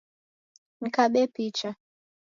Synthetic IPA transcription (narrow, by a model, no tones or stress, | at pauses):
n̩kaɓɛpit͡ʃa